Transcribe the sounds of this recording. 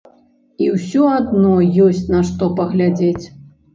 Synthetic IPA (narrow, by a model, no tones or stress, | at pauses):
iwsʲɔad̪nɔjɔsʲt͡sʲnɐʂt̪ɔpɐɣlʲad͡zʲet͡sʲ